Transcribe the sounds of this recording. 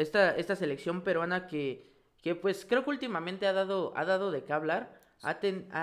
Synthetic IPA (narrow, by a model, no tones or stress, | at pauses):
est̪ae̞st̪ase̞leksjo̞mpe̞ɾwanake | kepwe̞skɾe̞okeult̪imamẽnt̪e̞aðaðoa̰ðaðo̞ðe̞kaβlaɾ | a̰t̪ena